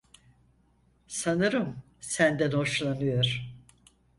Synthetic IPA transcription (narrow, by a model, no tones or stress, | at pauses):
sanɯɾɯm | sænd̪ænho̞ʃlˠanɯjoɾ̥